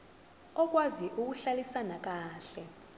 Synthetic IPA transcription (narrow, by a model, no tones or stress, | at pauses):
ɔk̬waziʔuk̬uɬalisanak̬aːɬɛ